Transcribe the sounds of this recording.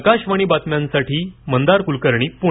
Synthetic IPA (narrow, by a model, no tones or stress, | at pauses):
kaɕʋaɽ̃iːbat̪mjãnsaʈʰiːmənd̪aɾkulkəɾɳ̃iːpu